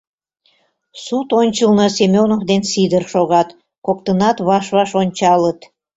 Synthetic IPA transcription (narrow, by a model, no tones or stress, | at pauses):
sut̪onʲt͡ɕəlnəsemʲonokd̪ensid̪ərʃoɣɑt̪ | kok̚t̪ənɑt̪βɑʃβɑʃonʲt͡ɕɑlət̪